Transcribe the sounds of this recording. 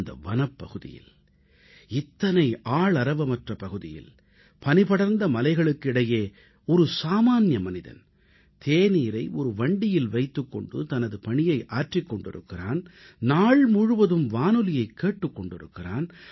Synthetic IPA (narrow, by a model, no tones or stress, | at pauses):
nd̪ɐ̰ʋɐnɐpːɐɣɯðɪ̰jɪ̰l | ɪt̪ːɐnɐɪʔaːɭɐɾɐʋɐmɐʈrɐpɐɣɯðɪ̰jɪ̰l | pɐnɪpɐɽɐɾnd̪ɐmɐlɐɪɣɐɭɯkːɪɽɐjeː | ɔɾɯsaːmaːnjɐmɐnɪðɐ̰n | t̪ʰeːniːɾɐɪʔɔɾɯʋɐɳɖɪjɪlʋɐɪt̪ːɯkːɔ̰ɳɖɯ̰t̪ɐnɐðɯpɐɳɪjɐɪʔaːʈrɪkːɔɳɖɪ̰ɾɯ̰kːɪraːn | naːɭmʊɻɯʋɐðɯmʋaːnɯlɪjɐɪkʰːeːʈːɯkːɔɳɖɪɾɯ̰kːɪraːn